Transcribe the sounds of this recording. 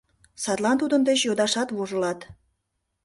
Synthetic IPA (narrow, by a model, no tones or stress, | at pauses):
sɑt̪lɑnt̪ud̪ənd̪et͡ɕjod̪ɑʃɑt̪βoʒəlɑt̪